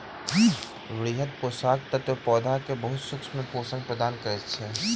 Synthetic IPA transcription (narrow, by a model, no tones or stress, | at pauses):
ʋɾiːɦət̪̚poːsaːk̚t̪ɐt̪opɔːd̪ʱakebɐɦʊt̪sʊkʃmẽpoːsə̃ŋɡ̚pɾəd̪aːnkɐɾet͡ʃʰe